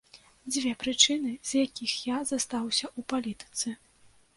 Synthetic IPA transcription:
d͡zʲvʲɛpɾɨt͡ʂɨnɨz̥ʲjakʲixjazast̪awsʲɐʔupalʲit̪ɨ̥t̪sɨ

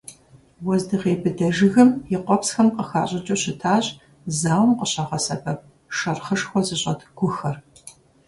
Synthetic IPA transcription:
wɔzdɨʁeːbɨdɐʒɨɣɐmjɪqʷɔpsxɐmqəxaːɕʼɐt͡ʃʼɐɕɪtʰaːɕʼ | zaːwmqəɕɐʁɐsɐbʰɐp̚ | ʃɐrχəʂxʷɔzɨɕʼɐ̰tʰɡ̥ʷʊxɐr

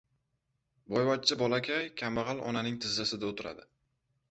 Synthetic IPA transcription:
bɒjvat͡ʃt͡ʃʰːɪbɒlˠakʲʰajkʲʰamːɑʁɑlˠɒ̰nanɪŋt̪ʰɪzːasɪd̪aot̪ʰɪɾa̰d̪ɪ

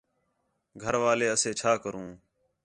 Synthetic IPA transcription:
ɡʱəɾʋaːleːəseːt͡ʃʰaːkəɾũː

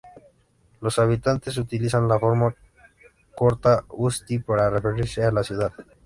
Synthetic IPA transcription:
lo̞saβit̪ant̪e̞s̬ut̪ilisanlafoɾma | koɾt̪aust̪ipaɾarefeɾisealasjuðað

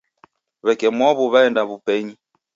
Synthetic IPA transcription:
βɛkɛmwɔβuβaɛndaβupɛɲi

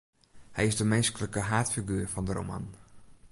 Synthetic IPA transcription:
hɛjɪsdəmɛnskələkəɦaːtfiɡyːrfɔndəɾo̰ma̰n

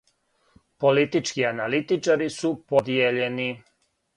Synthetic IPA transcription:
po̞lit̪it͡ʃkianalit̪it͡ʃaɾisupod̪ijeʎe̞ni

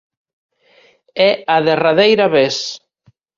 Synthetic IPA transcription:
ɛaðeraðejɾaβes

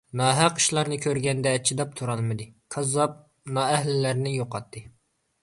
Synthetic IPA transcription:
nɑːɦæqʰːɨ̥ʃlˠɑɾnɨkʲʰøɾɡʲɛnd̪ɛːt͡ʃʰːid̪ɑp̚t̪ʰuɾɑlˠmɨd̪ɨkʰɑzɑp̚ | nɑɛhlɪlæɾnɪjoqɑt̪ʰːɨ

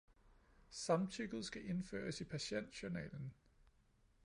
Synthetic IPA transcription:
sɑ̈mt͡sʰyɡ̥ð̞̩ˠsɡ̥æʔe̝nfø̰ːɐsipʰæɕen̰d̥ɕonɛ̰ːln̩

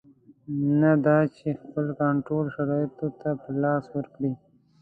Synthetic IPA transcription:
nad̪ɑt͡ʃexpəlkaɳʈɾolʃaɾɑjt̪ot̪apəlɑswəɾkɽi

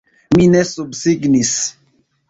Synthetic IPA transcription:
minesubsiɡnis

